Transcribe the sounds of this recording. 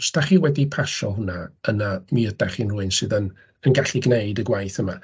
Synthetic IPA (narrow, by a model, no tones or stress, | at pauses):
stʰaχiːwɛdipʰaʃɔɦʊnaənamiədaχinrʊɨnsɨːðən | ənɡaɬiɡneɨdəɡwajθəma